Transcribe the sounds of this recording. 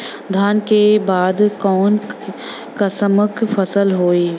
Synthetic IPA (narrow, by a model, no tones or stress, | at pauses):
d̪ʱaːnkebaːd̪kɔːn | kɐsəməkfʰəsəlɦoːiː